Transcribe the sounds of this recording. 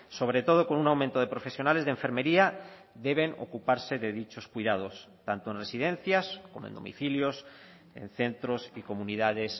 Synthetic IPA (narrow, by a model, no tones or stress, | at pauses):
so̞β̞ɾe̞t̪o̞ð̞o̞ko̞nunawmẽnt̪oð̞e̞pɾofe̞sjo̞nalezðeɱfe̞ɾme̞ɾia | ðe̞βe̞no̰kupaɾse̞ðe̞ðit͡ʃo̞skwiðað̞o̞s | t̪ant̪oe̞nre̞sið̞ẽ̞n̟θjaskomoend̪o̞̰mḭθiljo̞s | e̞̰n̟θe̞nt̪ɾo̞siko̞muniðaðe̞s